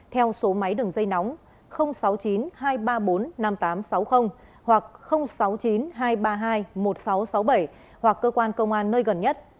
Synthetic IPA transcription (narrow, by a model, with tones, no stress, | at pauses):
t̪ʰɛ˧wso˨˦ma˨˦jɗɨ˨˩əŋzə˧jna˨˦wŋ͡m | xə˧wŋ͡msa˨˦wt͡ɕi˨˦nɦaː˧jɓaː˧ɓo˨˦nna˧mt̪aː˨˦msa˨˦wxə˧wŋ͡m | hwa˨˩k̚xə˧wŋ͡msa˨˦wt͡ɕi˨˦nɦaː˧jɓaː˧ɦaː˧jmo˨˩t̚sa˨˦wsa˨˦wɓə˧˩j | hwa˨˩kːəː˧kwaː˧nkə˧wŋ͡mʔaː˧nːəː˧jɣə˨˩nɲə˦˥t̚